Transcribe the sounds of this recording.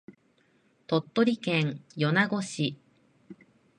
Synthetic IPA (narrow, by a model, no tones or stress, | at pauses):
t̪o̞t̪ːo̞ɾʲikẽɴjo̞naɡo̞ɕi